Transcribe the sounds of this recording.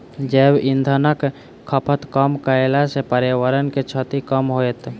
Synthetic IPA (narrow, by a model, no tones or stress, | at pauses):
d͡ʒeːbɪnd̪ʱənək | kʰːəpʰət̪kəmkəelasepəɾeʋəɾənket͡ʃʰət̪ikəmɦoet̪